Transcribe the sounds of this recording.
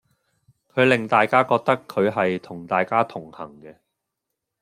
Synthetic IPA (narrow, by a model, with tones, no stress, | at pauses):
kʰɵ˨˧ɥlɪ˨ŋt̪aː˨jkaː˥kɔː˧k̚t̪ɐ˥kʰːɵ˨˧ɥɦɐ˨jt̪ʰʊ˨˩ŋt̪aː˨jkaː˥t̪ʰʊ˨˩ŋhɐ˨˩ŋkɛː˧